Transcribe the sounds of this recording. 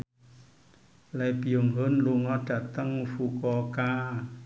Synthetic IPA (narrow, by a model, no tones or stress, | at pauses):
lajpiomɦɤnluŋɔt͡ɕat̪ːaŋfukɔːkaː